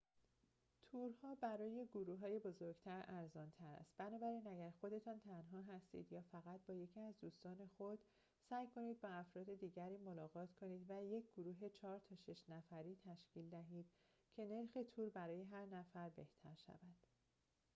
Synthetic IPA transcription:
t̪ʰuːɾhɒːbæɾɒːje̞ɡoɾuːɦɒːje̞bo̞zoɾɡt̪ʰæɾæɾzɒːnt̪ʰæɾæ̰st̪̚b̥ænɒːbæɾiːnæɟæɾxo̞d̪e̞t̪ʰɒːnt̪ʰænɦɒːɦæst̪ḭːd̪jɒːfæɣæt̪̚bɒːje̞cʰiæzd̪uːst̪ɒːne̞xod̪̥ | sæːjkʰo̞niːd̪̚bɒæfɾɒːd̪e̞d̪iːɟæɾiːmo̞lɒːɣɒːt̪ʰkʰo̞niːd̪væje̞cʰɡ̥oɾuːɦe̞t͡ʃʰɒːɾt̪ʰɒːʃe̞ʃnæfæɾiːt̪ʰæʃciːld̪æɦiːd̪̥̚ | cʰe̞ne̞ɾxe̞t̪ʰuːɾbæɾɒːje̞ɦæɾnæfæɾbe̞ht̪ʰæ̰ɾʃæ̰vænd̪̥

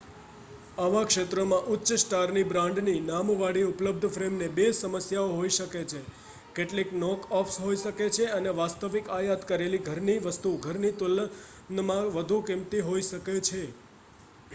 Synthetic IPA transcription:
aʋakʃet̪ɾəmãʔʊtːʃəsʈaɾnibɾãɳɖninamʋaɽiʊpləb̚d̪ʱəfɾemnebesəməsjaoɦoiʃəket͡ʃʰe | keʈliknɔkɔfʰsɦoiʃəket͡ʃʰeəneʋast̪əʋikajat̪kəɾeliɡʱəɾniʋəst̪uɡʱəɾnit̪ʊl | nəmãʋəd̪ʱukimt̪iɦoiʃəket͡ʃʰe

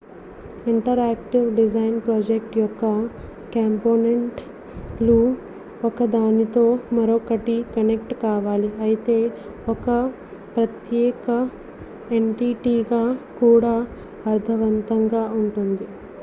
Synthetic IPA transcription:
iɳʈɐɾaːk̚ʈiʋɖid͡ʒɐjnpɾoːd͡ʒek̚ʈjɔkːɐ | kaːmpoːneɳʈ | lu | ɔkɐd̪aːnit̪o̞ːmɐɾokɐʈikɐnek̚ʈkaːʋaːliɐjit̪e̞ː | ɔkɐ | pɾɐt̪jɛːkɐ | eɳʈiʈiːɡaːkuːɽaː | ɐɾt̪ʰɐʋɐnt̪ɐŋɡaːuɳʈund̪i

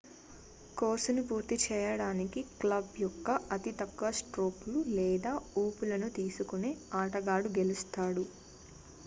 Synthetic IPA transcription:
ko̞ːsunupuːɾt̪it͡ʃɛːjɐɽaːnikiklɐbjɔkːɐɐt̪it̪ɐkːɐsʈɾoːplulɛːd̪aːuːpulɐnut̪iːsukuneːaːʈɐɡaːɽuɡe̞lust̪aːɽu

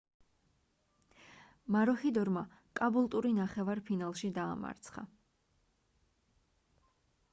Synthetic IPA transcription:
maɾɔχid̪ɔɾma | kʼabulˠt̪ʼuɾinaχɛvaɾpʰinalˠʃid̪a̰ːma̰ɾt̪sʰχa̰

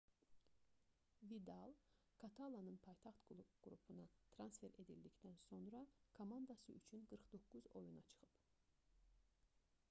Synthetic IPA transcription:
vid̪ɑlˠ | kʰɑt̪ʰɑlˠɑnɯnpʰɑjt̪ʰɑχt̪ɡɡ̥ɾupʰunɑt̪ʰɾɑnsfe̞ɾe̞d̪ild̪icd̪ænso̞nɾɑkʰomɑnd̪ɑsɯ̰yt͡ʃʰynɡɯɾχd̪o̞kːuzo̞̰junɑ̰t͡ʃʰɯ̥χɯp

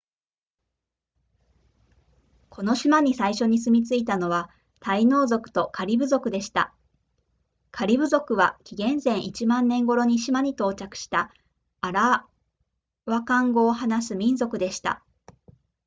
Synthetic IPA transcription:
kʰo̞no̞ɕimaɲ̟isaiɕo̞ɲ̟isɨmʲit͡sɨit̪ano̞βa | t̪aino̞ːzo̞kɯ̟̥t̪o̞kʰaɾʲibɯ̟zo̞kɯ̟d̪e̞ɕi̥t̪a̰ | kʰaɾʲibɯ̟zo̞kɯ̟βa̰kʲiɡẽ̞ñzẽ̞ɰ̃ʔit͡ɕimãnːẽ̞ŋɡo̞ɾo̞ɲ̟iɕimaɲ̟it̪o̞ːt͡ɕakɯ̟̥ɕi̥t̪a | aɾa | βakãŋɡo̞ːhanasɨmʲĩnzo̞kɯ̟d̪e̞ɕi̥t̪a̰

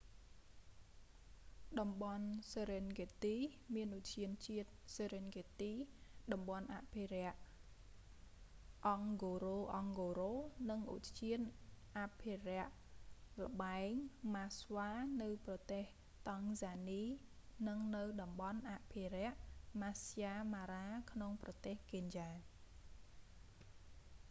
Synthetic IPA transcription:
ɗɑmɓɑnseɾenɡet̪iːmiənʔuc̚t͡ɕiən̚t͡ɕiət̪̚seɾenɡet̪iːɗɑmɓɑnʔa̰ʔpʰeɾɛ̆əʔ | ʔɑŋɡoːɾoːʔɑŋɡoːɾoːnɨŋʔṵc̪t͡ɕiənʔapʰerɛ̆əʔ | lə̆ɓaɛŋmasʋaːnɨwprɑt̪eːh | t̪ɑŋsaːniː | nɨŋnɨwɗɑmɓɑnʔaʔpʰiɾɛ̆əʔmasjaːmaːɾaːkʰnoŋprɑt̪eːhkeɲjaː

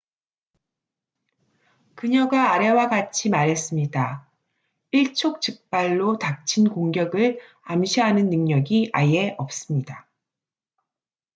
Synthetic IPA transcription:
kɯɲʌɡaːɾe̞waɡat͡ɕʰimaɾɦe̞s͈ɯmɲida | iɭt͡ɕʰok̚t͡ɕɯk̚p͈aɭːotak̚t͡ɕʰinkoŋɡjʌɡɯɭ | amɕʰiɦanɯnːɯŋɲʌɡia̰je̞ʔʌp̚s͈ɯmɲida

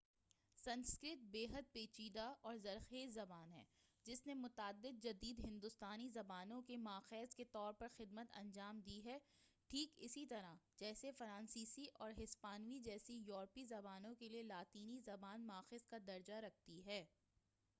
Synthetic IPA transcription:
sɐ̃nskɾɪt̪̚beːɦəd̪̚peːt͡ʃiːd̪aɔːɾzɐɾxeːzɐbaːnɦɛ̰ːd͡ʒɪsnemʊt̪aːd̪ːɪd̪̚d͡ʒɐd̪iːd̪ɦɪ̃nd̪ʊst̪aːnizɐbaːnõkemaːxɛːzket̪ɔːɾpɐɾxɪd̪mət̪ɐ̰̃nd͡ʒaːmd̪iɦɛː | ʈʰiːkɪ̰sit̪ɐɾad͡ʒɛːsefɐɾãːnsiːsiʔɔːɾɦɪspaːnwid͡ʒɛːsijɔːɾpizɐbaːnõkelielaːt̪iːnizɐbaːnmaːxeːskad̪ɐɾd͡ʒaɾɐk̚ʰt̪iɦɛː

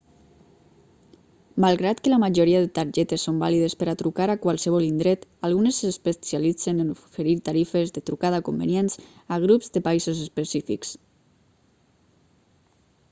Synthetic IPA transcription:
malˠɣɾat̪kəlamaʒoɾiaðet̪aɾʒɛt̪esːombaliðespəɾat̪ɾukaɾakwalˠsəβ̞ɔlind̪ɾɛt̪alˠɣunesːespesjalid͡zenenofeɾiɾt̪aɾifezðet̪ɾukað̞akombḛnijensaɣ̞ɾupzðəpaizozespesifḭks

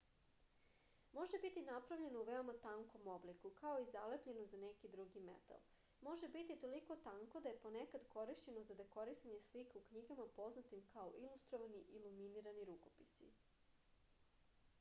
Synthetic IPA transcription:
mo̞ʒebit̪inapɾaʋʎe̞nouʋeomat̪aŋko̞mo̞blikukao̞izalepʎe̞nozanekid̪ɾuɡimḛt̪a̰lˠ | mo̞ʒe̞bit̪it̪o̞liko̞t̪aŋkod̪aje̞ponekad̪ko̞ɾiʃt͡ɕe̞nozad̪ako̞ɾist̪aɲe̞slikaukɲiɡamapo̞znat̪imkao̞ʔilust̪ɾoʋaniʔiluminiɾaniɾuko̞̥pisḭ

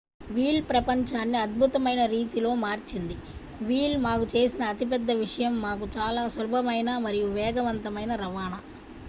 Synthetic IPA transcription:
ʋiːlpɾɐpɐɲt͡ʃaːnːiɐd̪̚bʱut̪ɐmɐjnɐɾiːt̪ilo̞ːmaːɾt͡ʃind̪i | ʋiːlmaːkut͡ʃe̞ːsinɐːt̪ip̬ɛd̪ːɐʋiʂɐjɐmːaːkut͡ʃaːlaːsʋɐlubʱɐmɐjnɐmɐɾijuʋɛːɡɐʋɐnt̪ɐmɐjnɐɾɐʋaːnɐ

